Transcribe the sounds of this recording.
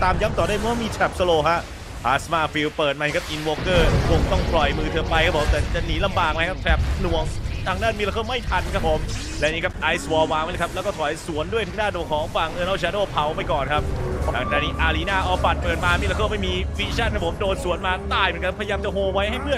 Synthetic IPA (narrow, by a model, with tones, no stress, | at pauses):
t̪aː˧mja˦˥p̚t̪ɔː˨˩du˥˩mʰɔ˥waː˥˩miː˧t͡ɕ̪ʰɛ˨˩p̚sə˧loː˧ɦa˦˥ʔ | pʰaː˨˩smaː˧˩fi˧wpɤː˨˩t̪̚ma˧i˧˥kʰa˦˥p̚ʔi˧˩nwoː˧kɤː˥˩kʰo˧ŋt̪ɔ˥˩ŋplɔ˨˩jmɯː˧t̪ʰɤː˧pa˧jkʰa˦˥pʰo˩˦mt̪ɛː˨˩t͡ɕa˨˩niː˨˩˦la˧mbaː˨˩ŋma˦˥jkʰa˦˥p̚t̪ʰɛ˦˩p̚nu˨˩əŋt̪ʰaː˧ŋdaː˥˩nmiː˧la˧˥kʰɤː˥˩ma˥˩jt̪ʰa˧nkʰa˦˥pʰo˨˩˦m | lɛ˦˥niː˦˥kʰa˦˥p̚ʔaː˧jswɔː˧˩waː˨˦ŋmaː˦˩˨kʰa˦˥plɛː˧˦˥kɔː˥˩t̪ʰɔ˨˩˦jsu˨˩˦əndu˥˩əjt̪ʰa˦˥daː˥˩nd̪u˨˩˨kʰɔː˨˦˥ŋfaː˨˩ŋʔɤː˧nʔɔ˦˥˩t͡ɕʰaː˧doː˥˩pʰa˨˦wpa˧jkɔː˨˩nkʰa˦˥p̪̚ʰaː˧˩ŋdaː˧˩niː˦˥˩ʔaː˧li˦˥naː˥˩ʔɔː˧pa˨˩t̪̚pɤː˨˩t̪̚maː˧miː˧la˧kʰɤː˥˩ma˥˩jmiː˧fiː˦˥t͡ɕʰa˥˩nkʰa˦˥pʰo˩˦mdoː˧nsu˨˩˦ənmaː˧t̪aː˥˩jmː˨˦˥ka˧˥pʰːjaː˧mt͡ɕa˨˩hoː˧wa˦˥jɦa˥˩jpʰɯ˥˩ən